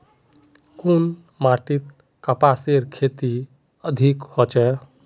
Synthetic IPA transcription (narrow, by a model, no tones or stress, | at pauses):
kun | maʈit̪ | kəpaseɾkʰet̪i | əd̪ʱikhot͡ʃɛ